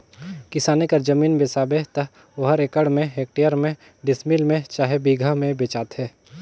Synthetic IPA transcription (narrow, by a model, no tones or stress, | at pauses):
kɪsaːnekəɾd͡ʒəmiːnbesaːbeɦt̪ə | ʊɦəɾekəɽmẽɦeːk̚ʈijəɾmẽ | ɖɪsmilmẽt͡ʃaːɦebiːɡʱamẽbeːt͡ʃaːt̪ɦɛː